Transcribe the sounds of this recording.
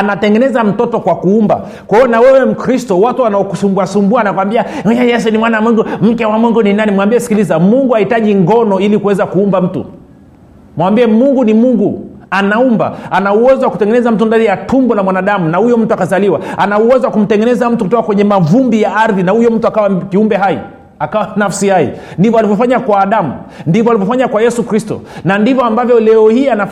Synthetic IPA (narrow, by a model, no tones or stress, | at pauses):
anatɛŋɡɛnɛzam̩tɔtɔkwakuumba̰ | kwaiɔnawɛwɛm̩kɾistɔwatuwanaɔkusumbasumbuanakwambiaajɛs̬ɛnimwanamwɛŋɡum̩kɛwamwɛŋɡuninanimwambiɛsi̥kilizamuŋɡuhahitaʄiŋɡɔnɔilikuwɛzakuumbam̩tṵ | mwambiɛmuŋɡunimuŋɡuanaumba̰anauwɛzwaku̥tɛŋɡɛnɛzam̩t̬undanijatʰumbɔnamwanaɗamunahujɔm̩tuakazaliwaanauwɛzɔwakum̩tɛŋɡɛnɛzam̩tukutɔkakwɛɲɛmavumbijaaɾðinahujɔm̩tuakawakiumbɛɦaḭ | akawanafsihaḭndivɔalivɔfaɲakwaːɗamundivɔalivɔfaɲakwajɛsukɾistɔ̰nandivɔambavjɔlɛɔhiana